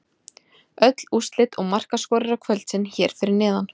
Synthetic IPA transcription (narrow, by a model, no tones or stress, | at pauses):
œt̪l̥ust̪lɪt̪ɔɣmar̥kaskɔːɾɪɾakʰvœlt̪sɪnçɛːɾ̥fɪɾɪɾnɪːðan